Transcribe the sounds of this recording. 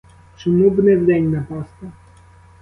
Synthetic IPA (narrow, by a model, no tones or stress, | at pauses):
t͡ʃɪmubnɛvd̪ɛnʲnapɑst̪ɐ